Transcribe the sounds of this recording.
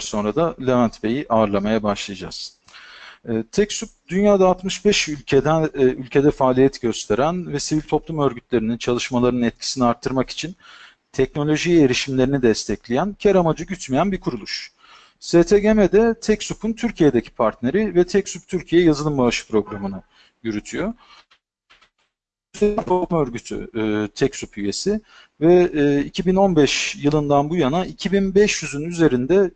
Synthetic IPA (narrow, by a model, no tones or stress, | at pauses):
ɾso̞nɾad̪alʲevænt̪be̞jiʔaːɾlˠamajabaʃlˠajad͡ʒa̰z̥ | t̪ʰɛcsup̚d̪̥ynjaːd̪aːt̪mɯʃbɛʃylʲcʰed̪ænylʲcʰe̞d̪ɛfaːlʲijɛt̪ʰɟø̞st̪ʰe̞ɾænvɛsivilʲt̪ʰo̞plˠumø̞ɾɟyt̪lʲe̞ɾinint͡ʃʰalˠɯʃmalˠaɾɯnnɛt̪̚cʰi̥siniaɾt̪ʰːɯɾmaki̥t͡ʃʰin | t̪ʰɛc̚no̞lʲo̞ʒijeɾiʃimlʲe̞ɾinid̪ɛst̪ʰɛclʲejæncʰæɾamad͡ʒɯɟyt͡ʃmejænbikʰuɾulˠuʃ | set̪ʰeɟemɛd̪ɛt̪ʰɛcsupʰunt̪ʰyɾcʰije̞d̪ecʰi̥pʰaɾt̪ne̞ɾivɛt̪ʰɛcsup̚t̪ʰyɾcʰijɛjazɯlˠɯmbaaʃɯ̥pɾo̞ɡɾamɯnɯ | jyɾyt̪ʰyjo | seipʰat̪maøɾɟyt̪ʰy̰ːt̪ʰɛcsupyje̞sɪ | vɛːicʰibino̞nbɛʃjɯlˠɯnd̪anbujanaʔicʰibinbɛʃjyzynyze̞ɾind̪ɛ